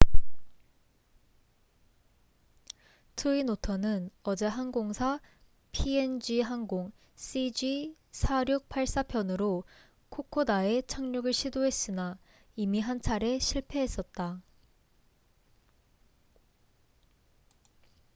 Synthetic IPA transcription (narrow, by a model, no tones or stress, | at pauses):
tʰɯinotʰʌnɯnʌd͡ʑe̞ɦanɡoŋsʰa | pʰiend͡ʑiɦanɡoŋ | s͈id͡ʑi | sʰaɾjuk̚pʰaɭs͈apʰjʌnɯɾo | kʰokʰodae̞t͡ɕʰaŋɲuɡɯɭɕʰidoɦe̞s͈ɯna | imiɦant͡ɕʰaɾe̞ɕʰiɭpʰe̞ɦe̞s͈ʌt̚t͈a